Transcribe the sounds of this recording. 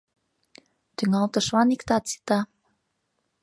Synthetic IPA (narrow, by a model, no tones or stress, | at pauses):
t̪yŋɑlt̪ɤʃβɑnikt̪ɑt̪si̥t̪ɑ